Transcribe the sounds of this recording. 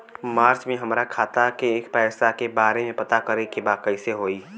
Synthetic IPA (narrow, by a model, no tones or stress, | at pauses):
maːɾt͡ʃmẽɦəmɾakʰaːt̪akeːkpɛːsakebaːɾemẽpɐt̪akəɾekebaːkəɪseɦoːi